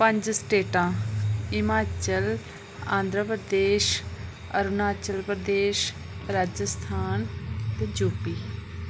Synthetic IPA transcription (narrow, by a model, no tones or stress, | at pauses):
pə̃ɲd͡ʒsʈeːʈãːɪmaːt͡ʃəl | ãːnd̪ɾəpɾəd̪eːʃ | əɾunaːt͡ʃəlpɾəd̪eːʃ | ɾaːd͡ʒəst̪ʰaːnt̪eːd͡ʒoːpiː